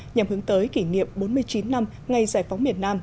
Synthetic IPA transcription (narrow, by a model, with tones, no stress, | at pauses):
ɲaː˨˩mhɨ˨˦əŋt̪əː˨˦jki˧˩nḭ˧˨əmɓo˨˦nmɨ˧əjt͡ɕi˨˦nːa˧m | ŋa˨˩jzaː˧˩jfa˨˦wŋ͡mmi˨˩ənnaː˧m